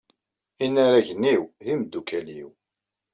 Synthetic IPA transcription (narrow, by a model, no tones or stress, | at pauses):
inːaɾaʝəniwðimd̪ːukæliw